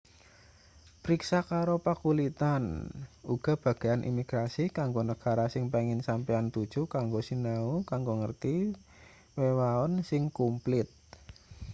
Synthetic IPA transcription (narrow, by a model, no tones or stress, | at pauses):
pɾiksakaɾopakulit̪anuɡ̥a̤b̥a̤ɡ̥eanʔḭmiɡ̥ɾasikaŋɡonəɡ̥a̤ɾasɪŋpeŋɪnsampiant̪ud̥ʒ̥ṳkaŋɡosinaukaŋɡoŋərt̪i | wewaɔnsɪŋkumplɪt̪̚